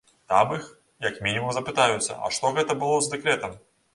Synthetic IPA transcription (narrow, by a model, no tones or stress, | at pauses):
t̪amɨx | jɐkmʲinʲimumzɐpɨt̪ajʊt̪sːɐ̰ɐ̰ʂt̪ɔɣɛt̪ɐbɨlˠɔzd̪ɛkɾɛt̪ɐm